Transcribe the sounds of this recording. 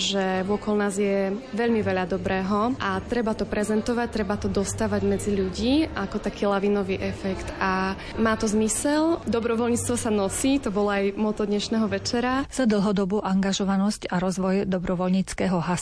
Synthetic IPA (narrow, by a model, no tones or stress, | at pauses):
ʒɛvʊɔkɔlnaːzjɛʋɛʎmiʋɛʎad̪ɔbɾɛːɦɔʔat̪ɾɛbat̪ɔpɾɛzɛnt̪ɔʋac̚t̪ɾɛbat̪ɔd̪ɔst̪aːʋaɟmɛd͡ziʎuɟiːʔakɔt̪akiːlaʋiːnɔʋiːʔɛfɛkt̪a | maːt̪ɔzmisɛld̪ɔbɾɔʋɔlɲiːt͡st̪ʋɔsanɔsiːt̪ɔbɔlɔajmɔt̪ɔd̪ɲɛʃnɛːɦɔʋɛt͡ʃɛɾaz̥ad̪l̩ˠɦɔd̪ɔbuːʔaŋɡaʒɔʋanɔscaɾɔzʋɔjd̪ɔbɾɔʋɔlɲiːt͡skɛːɦɔɦa